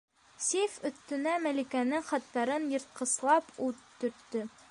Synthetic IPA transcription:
sʲifɵ̆θt̪ːɵ̆næmælikænɘŋχɑt̪ːɑɾɤnjɤ̆ɾt̪̚qɤ̆slˠɑput̪ːɵ̆ɾt̪ːɵ

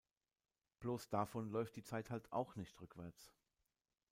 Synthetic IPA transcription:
b̥loːsd̥afɔnlɔʏft̚d̥iːt͡saɪthaltʰa̰ʊxnɪçtʁʏkv̥ɛɐt͡s

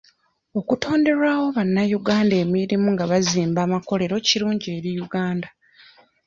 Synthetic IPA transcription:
o̞kuto̞ːnde̞ɾawo̞βanːajuɡaːnde̞ːmiɾimuŋɡaβaziːmbaːmako̞le̞ɾo̞ciɾuːɲɟie̞ɾijuɡaːnda

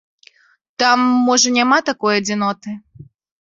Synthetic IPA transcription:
t̪amːɔʐɐnʲamat̪akɔjɐd͡zʲɪnɔt̪ɨ

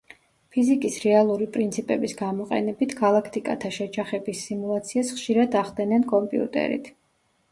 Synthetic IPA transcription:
pʰizikʼisɾɛalˠuɾipʼɾint̪sʰipʼɛbisɡamɔqʼɛ̰nɛbit̪ʰɡalˠakʰt̪ʼikʼa̰t̪ʰaʃɛd͡ʒaχɛbisːimulˠat̪sʰiasχʃiɾad̪aχd̪ɛnɛnkʼɔmpʼḭṵt̪ʼɛ̰ɾḭt̪ʰ

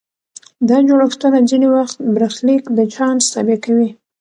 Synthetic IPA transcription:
d̪ɑd͡ʒoɽaxt̪ənad͡zinewaxt̪̚bɾaxlikd̪ət͡ʃɑnst̪ɑbekawi

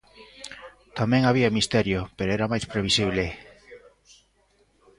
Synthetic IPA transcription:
t̪amẽŋaβ̞iamist̪eɾjopeɾoɛɾamajspɾeβ̞isiβle

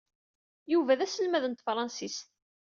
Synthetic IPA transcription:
juvæðæsəlmæðənt̪fɾˤɑnsis

